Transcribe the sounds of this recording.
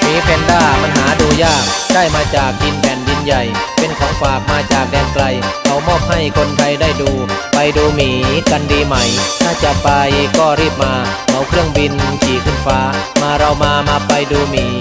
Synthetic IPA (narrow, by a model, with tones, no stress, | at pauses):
miː˨˦pʰɛː˨˧ndaː˥˩ma˧nhaː˩˦duː˧jaː˥˩k̚daː˥˩jmaː˧t͡ɕaː˨˩k̚di˧npʰɛː˨˩ndi˧nja˨˩j | pe˧nkʰɔː˩˦ŋfaː˨˩k̚maː˧t͡ɕaː˨˩k̚dɛː˧ŋkla˧jkʰa˨˧˩wmɔː˥˩p̚ha˥˩jkʰo˧nt̪ʰa˧jdaː˥˩jduː˧pa˧jduː˧miː˨˩˦ka˧ndiː˧ma˦˥˩jt̪ʰaː˥˩t͡ɕa˨˩pa˧jkɔː˥˩ɾiː˥˩p̚maː˧ | ʔa˨˦˩wkʰɾɯ˥˩əŋbi˧nsʰiː˨˩kʰɯ˧˥˩nfaː˦˥maː˧ɾa˧wmaː˧maː˧pa˧jduː˧miː˨˦